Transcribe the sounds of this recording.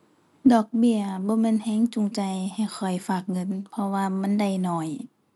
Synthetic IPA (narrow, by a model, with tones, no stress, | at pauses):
dɔː˨˩k̚bi˧˩˨əbɔː˧˦me˧˥˨nhɛː˧˥˨ŋt͡ɕu˧˨ŋt͡ɕa˧˩jha˨˩jxʰɔ˨˩jfaː˧˩k̚ŋɤ˧˥˨npʰɔ˧waː˧ma˧˥˨nda˧˩jnɔː˧˩j